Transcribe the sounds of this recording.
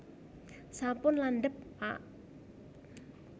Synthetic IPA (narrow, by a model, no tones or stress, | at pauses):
sapʊnlanɖəp̚aʔ